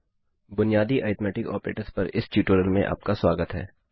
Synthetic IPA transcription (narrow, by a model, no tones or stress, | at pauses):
bʊnijaːd̪iʔaːɪt̪mɛːʈɪkɔ̰ːpɾḛːʈəɾspɐɾɪsʈuːʈoːɾəlmẽʔa̰ːp̚kaswaːɡət̪ɦɛː